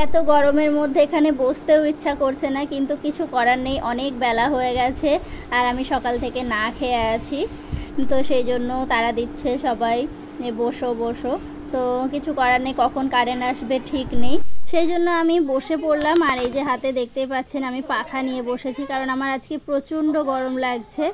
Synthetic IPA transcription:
ɛt̪oɡɔɾomeɾmod̪ʱːeekʰanebod͡ʑt̪eoitːɕʰakoɾt͡ɕʰenakint̪ukit͡ɕʰukɔɾaɾnejʔɔnek̚bɛlaɦoeɡɛt͡ɕʰeaɾamiʃɔkalt̪ʰekenakʰeaat͡ɕʰi | t̪oʃejd͡ʑonːot̪aɾad̪itːɕʰeʃɔbaj | eboʃoboʃo | t̪okit͡ɕʰukɔɾaɾnːejkɔkʰonkaɾenaʃbeʈʰiknejʃejd͡ʑonːoamiboʃepoɾlamaɾejd͡ʑeɦat̪ed̪ek̚ʰt̪epatːt͡ɕʰenamipakʰanieboʃet͡ɕʰikaɾonamaɾad͡ʑkepɾot͡ɕuɳɖoɡɔɾomlaɡt͡ɕʰe

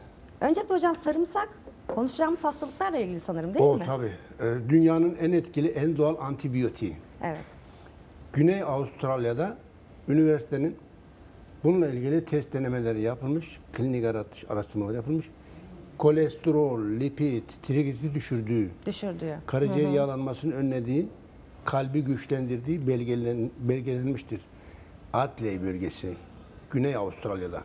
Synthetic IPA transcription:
ø̞nd͡ʒɛk̚ʲlʲɛho̞d͡ʒamsaɾɯmsak | kʰo̞nuʃud͡ʒamɯz̥hast̪ʰalˠɯklˠaɾlˠailʲɟilʲisanɯɾɯmd̪eoimɪt̪ʰabiːɛd̪ynjaːnɯnænɛt̪cilʲiʔænd̪oalʲˠant̪ʰibijo̞t̪ʰievɛ̰t̪ | ɟ̥ynɛjaust̪ʰɾalʲˠjad̪a | ynivɛɾsi̥t̪ʰenin | bununlˠailʲɟilʲit̪ʰɛst̪̚d̪enemelʲeɾijapʰɯlˠmɯʃkʰlʲinikaɾat̪ʰːɯ̥ʃa̰ɾast̪ɯɾmalˠaɾɯjapʰɯlˠmɯʃ | kʰo̞lʲɛst̪oɾolʲlʲipʰit̪ːʰiɾiɡisiid̪yʃyɾd̪yːd̪ʃɾd̪kʰaɾid͡ʒeɾijaːlˠanmasɯnɯønːʲed̪iː | kʰalʲbiɟyt͡ʃlʲænd̪iɾd̪iː | bɛlʲɟelʲɛnmiʃt̪ʰiɾ | at̪lʲejbølʲɟesi | ɟ̥ynɛjavust̪ʰɾalʲˠjad̪a̰

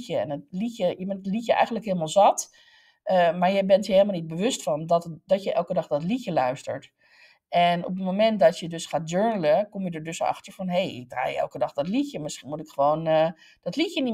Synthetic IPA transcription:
əɛ̰nətlicəjəmɛndtlicjəʔɛ̰jxən̩dləkɦɪːlˠmaːlˠzɑt | əmaːɹjəbɛntjəheːlˠmalˠnit̚bəʋøstfɔndɔtdɔtjəʔɛ̰lˠkədɑχdɔtlicjəlœɥstə̰ɹt | ɛno̰p̬ətmomɛntdɔsjədøsχaːd͡ʒøɹnələkomjədəɹdøsɑ̰xtəɹfɔnɦejɪ̰ɡ̚dra̰ːjɛ̰lˠkədɑχdɔtlicəmɪsχinmutɪkχəʋoːnə | d̥ɔtlicjəni

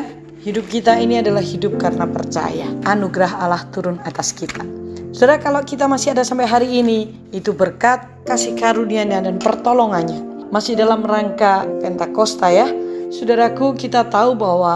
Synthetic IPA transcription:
hidʊp̚kit̪ainiadalahhidʊp̚karnapərt͡ʃa̰jaːnuɡɾaɦalaht̪uɾʊnat̪askit̪asudaɾakalokit̪amasɪadasampajɦaɾiːni | it̪ubərkat̪̚kasɪhkaɾuniaɲadanpərt̪olɔŋanɲamasɪhdalamraŋkapɛnt̪akɔst̪ajasudaɾakukit̪at̪aubawa

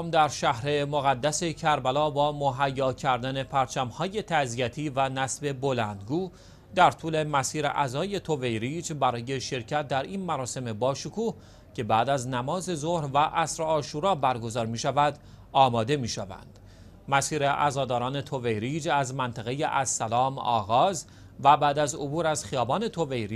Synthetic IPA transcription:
md̪æɾʃæhɾe̞moɣæd̪ːæse̞cʰæɾbælɒːbɒːmoɦæjːɒːcʰæɾd̪æne̞pʰæɾt͡ʃʰæmhɒːje̞t̪ʰæzijæt̪ʰiːvænæsbe̞bo̞lænd̪ɡuː | d̪æɾt̪ʰuːle̞mæsiːɾḛʔæzɒːje̞t̪ʰo̞ve̞jɾid͡ʒbæɾɒːje̞ʃe̞ɾcʰæt̪̚d̪æɾiːnmæɾɒːse̞me̞bɒːʃokʰuːh | cʰe̞bæːd̪æznæmɒːze̞zohɾvæʔæsɾeɒːʃuːɾɒːbæɾɡo̞zɒːɾmiːʃævæd̪ɒːmɒːd̪e̞miːʃævæ̰nd̪̥ | mæsiːɾeʔæ̰zɒːd̪ɒːɾɒːne̞t̪ʰo̞ve̞jɾiːd͡ʒæzmænt̪ʰæɣe̞jeʔæzːælɒːmɒ̰ːɣɒːz | væbæːd̪æzo̰buːɾæz̥xijɒːbɒːne̞t̪ʰo̞ve̞jɾi

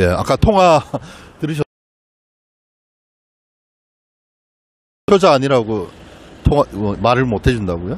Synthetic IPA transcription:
jea̰k͈atʰoŋɦatɯɾɯɕ̬ʌ | jʌd͡ʑaːɲiɾaɡotʰoŋaʌmaɾɯɭmotʰe̞d͡ʑundaɡojo

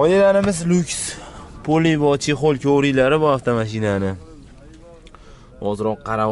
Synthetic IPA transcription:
ɒjalaɾɪmɪzlʊkʲspʰolivɒt͡ʃʰeχolˠkʲʰowɾilaɾɪbʊaft̪ʰamaʃ̬ɪnanɪ | ɒzɾɒqːɑɾa

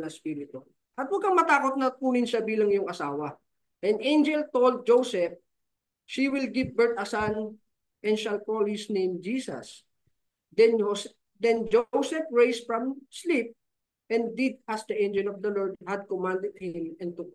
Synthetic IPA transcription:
lɐspiɾɪt̪ʊ | ʔɐt̪̚wɐɡ̚kɐŋmɐt̪aːkot̪̚nɐt̪uːnɪnsɐbiːlɐŋjʊŋʔɐsaːwɐ | ʔɛnẽjnd͡ʒɛlt̪old̪̚d͡ʒowsɛp̚ | ʃiwɪlɡɪvbɛɹt̪̚ɐsan | ʔɛ̃nʃɐlkolhɪsnẽjmd͡ʒiːsɐ̰s | d̪ɛn | d̪ɛnd͡ʒowsɛp̚ɹejsfɹɐ̃mslip̚ | ʔɛ̃nd̪ːɪd̪̚asd̪ɐʔẽjnd͡ʒɛlɔvd̪ɐlɔɹd̪̚hɐd̪̚kɔmãnd̪ɛd̪̚hɪ̃mɛ̃nt̪ʊ

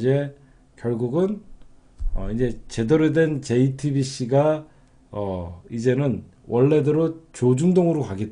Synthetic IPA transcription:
d͡ʑe̞ | kjʌɭɡuɡɯn | ʌid͡ʑe̞t͡ɕe̞dʌɾedwe̞nt͡ɕe̞itʰibiɕ͈iɡa | ʌid͡ʑe̞nɯn | wʌɭːe̞deɾot͡ɕod͡ʑuŋdoŋɯɾokaɡe̞t̚

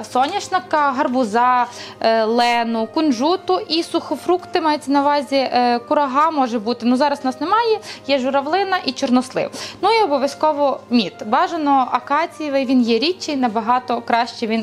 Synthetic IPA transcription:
sɔnʲɐʃnɐkɐɦɐrbʊzɑ | lˠɛnʊkʊnʒut̪ʊʔisʊxɔfɾukt̪ɪmɑjʊt͡sʲːɐnɐʋɑzʲikʊɾɐɦɑmɔʒɛbut̪ɪnuzɑɾɐsnɑsnemɑjɛjɛʒʊɾɐʋlˠɪnɐʔit͡ʃɔrnɔslˠɪ̰wnuiɔbɔʋʲjɐskɔʋɔmʲit̪bɑʒɐnɔɐkɑt͡sʲijʋɪʋʲinjɛɾʲit͡ʃːɪjnɐbɐɦɑt̪ɔkɾɑʃt͡ʃɛʋʲin

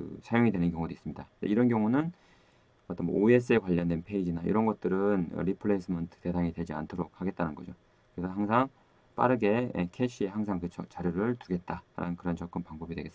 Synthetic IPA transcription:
ɯ̰sʰajoŋidwenɯnkjʌŋudois͈ɯmɲidandḛiɾʌnkjʌŋunɯn | ʌt͈ʌnmwo̰oe̞s͈ɯe̞kwaʎːʌndwe̞npʰe̞id͡ʑinaḭɾʌnɡʌt̚t͈ɯɾɯnɯ̰ɾipʰɯɭes͈ʰɯmʌntʰɯ̥te̞sʰaŋidwe̞d͡ʑia̰ntʰoɾok̚haɡe̞t̚t͈anɯnɡʌd͡ʑo | kɯɾe̞sʰʌɦaŋsʰaŋ | p͈a̰ɾɯɡe̞ḛkʰeɕʰie̞haŋsʰaŋkɯt͡ɕʰʌt͡ɕaɾjoɾɯɭtuɡe̞t̚t͈aɾa̰nɯnkɯɾʌnt͡ɕʌk͈ɯmpaŋbʌbidwe̞ɡe̞sɯ

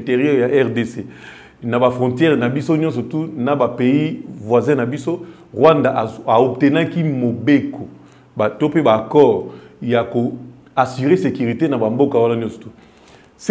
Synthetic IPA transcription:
teʁjojaʔɛʁdese | nabafʁɔ̃tjɛʁnabisonjɔ̃sɔtunabapeivwazɛ̃nabiso | ʁwãndaʔaop̚tenakimobeko | batopebakɔʁjako | asiʁesekyʁitenabambokawananjɔ̃sɔ̥tu | s

